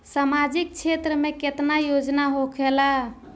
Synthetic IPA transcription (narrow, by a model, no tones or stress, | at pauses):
samad͡ʒik̚t͡ʃʰet̪ɾəmeket̪najod͡ʒnaɦokʰela